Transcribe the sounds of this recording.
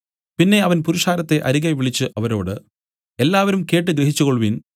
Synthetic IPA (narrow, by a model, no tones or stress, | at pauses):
pinːe̞ɐʋɐnpuɾuʂaːɾɐt̪ːe̞ʔɐɾiɣɐʋiɭit͡ɕːɨʔɐʋɐɾo̞̰ːɽɨ | e̞lːaːʋɐɾumke̞ːʈːɨɡɾeɦit͡ɕːukoɭʋin